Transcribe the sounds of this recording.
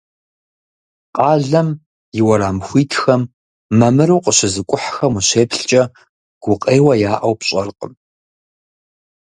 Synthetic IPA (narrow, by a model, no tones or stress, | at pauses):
qʼɑːɮɐm | jɪwɐɾaːmxʷiːtʰxɐmː | ɐmɨɾɐwqʼəɕɪzɨkʷʼʊħxɐmʊɕeːpɬt͡ʃʼɐ | ɡ̥ʷʊqʼeːwɐjaːʔɐwpɕʼɐrqʼəm